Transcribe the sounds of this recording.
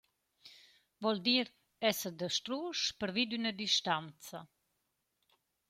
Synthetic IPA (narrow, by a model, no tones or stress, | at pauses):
vɔld̪iːɾ | ɛsəd̪əʃt̪ɾuʃpəɾvid̪ynəd̪iʃt̪ant͡sa